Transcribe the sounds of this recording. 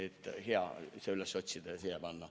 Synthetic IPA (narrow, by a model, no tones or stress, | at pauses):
et̪ːˑheɑ̰seylesːot̪ʲsid̪̥esejepɑnːɑ